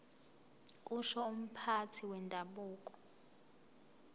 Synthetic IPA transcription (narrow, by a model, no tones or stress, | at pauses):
kʼuʃɔum̩pʰatʰiwɛntʼaɓuːkʼɔ̥